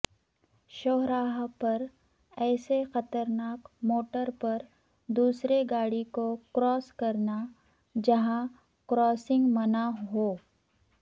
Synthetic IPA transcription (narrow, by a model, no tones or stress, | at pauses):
ʃoːɦɾaːɦpɐɾ | ɛːsexɐt̪əɾnaːkmoːʈəɾpɐɾ | d̪uːsɾeɡaːɽikokɾɔːskɐɾna | d͡ʒɐɦã | kɾɔːsɪ̃ŋɡmɐnaɦoː